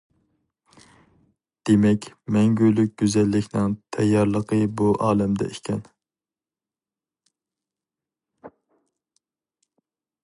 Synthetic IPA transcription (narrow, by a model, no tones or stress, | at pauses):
d̪̥emɛkʲmɛŋɡʲylyk̚ʲɡ̥ʲyzɛlːɪkʲnɪŋt̪ʰɛjːɑɾlˠəqʰəbuʔɑːlɛmd̪ɛ̰ikʲʰɛn